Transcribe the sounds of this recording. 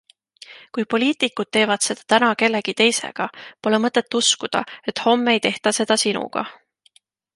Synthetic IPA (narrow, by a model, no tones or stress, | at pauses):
kujpo̞lʲiːt̪ikːˑud̪̥̚t̪e̞ːvɑd̪̥se̞d̪̥ɑt̪ænɑke̞lːe̞ɡ̥it̪e̞jse̞̰ɡ̥ɑpo̞le̞mɤt̪ːˑe̞t̪ːˑuskud̪̥ɑ̰e̞t̪ˑho̞mːe̞jt̪e̞ht̪ɑse̞d̪̥ɑsinṵɡ̥ɑ̰